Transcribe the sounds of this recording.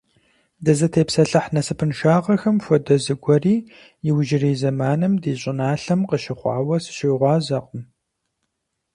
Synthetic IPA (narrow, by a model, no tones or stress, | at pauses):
dɐzɐtʰeːpsɐɬɐħnɐsɨpʰɨnʃaːʁɐxɐmfʷɔdɐzɨɡʷɔriː | jɪwʒɪriːzɐmaːnɨmdiːɕʼɪnaːɬɐmqəʃɪχʷɑ̰ːwɐsɨ̥ɕɪʁʷɑːzɐqʼəm